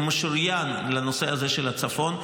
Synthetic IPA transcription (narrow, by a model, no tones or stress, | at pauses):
moʃuʁjanlano̞se̞aze̞ʃelhat͡safo̞n